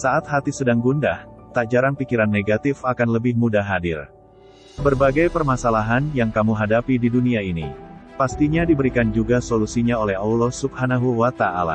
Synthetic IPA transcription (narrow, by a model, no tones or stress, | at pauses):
saʔat̪̚hat̪isədaŋɡunda̰ht̪ad͡ʒaɾanpikiɾanːeɡat̪ɪfakanləbɪhmudaɦadɪ̰r | bərbaɡajpərmasalaɦanjaŋkamuɦadapididuniainipast̪iɲadibəɾikand͡ʒuɡasolusiɲaolɛhaulɔhsub̚hanaɦuwat̪aʔa̰la̰